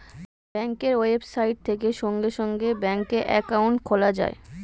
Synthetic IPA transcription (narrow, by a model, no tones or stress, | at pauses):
bɛŋkeɾoebsajʈ̚t̪ʰekeʃɔŋɡeʃɔŋɡebɛŋkeʔɛ̰kawuɳʈkʰolad͡ʑa̰e